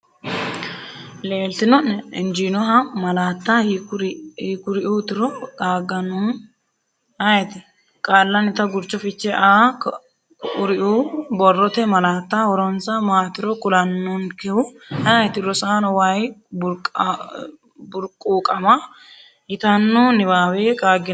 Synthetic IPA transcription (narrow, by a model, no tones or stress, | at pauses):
leːlt̪ɪnɔnːɛɪnd͡ʒinɔɦɐmɐlaːt̪ːahɾhikʊɾɪʔut̪ɪɾɔd̪aːɡːɐnʊn | ɐjɛt̪ɪ | kʼaːlːɐnɪt̪ɐɡʊɾt͡ʃːɔfɪt͡ʃːɛʔaː | ʔʊɾɪʔuːbɔrːɔt̪ɛmɐlaːt̪ːahɔɾɔnsɐmaːt̪ɪɾɔkʊlɐnːɔnkɛwʊɐjt̪ɪɾɔsaːnɔwajbʊɾkʼ | bʊɾkʼːuːkʼɐmɐ | jɪt̪ɐnːɔnɪβaːweːkʼaːɡɪ